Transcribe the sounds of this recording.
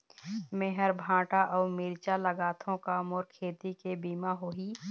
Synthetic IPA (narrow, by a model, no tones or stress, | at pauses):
meɦəɾbʱãːʈaʔɔːɾmiːɾt͡ʃaləɡaːt̪ʰõkamɔːɾkʰeːt̪ikebiːmaɦoiː